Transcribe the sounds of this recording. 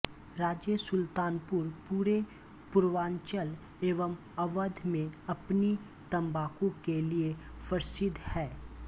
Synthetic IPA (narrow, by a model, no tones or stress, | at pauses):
ɾaːd͡ʒjəsʊlt̪aːnpʊɾpuːɾe | pʊɾʋaːnt͡ʃəl | eːʋəm | ɐʋəd̪ʱmẽɐpni | t̪ɐ̃mbaːkõkeliefəɾsɪd̪hɛː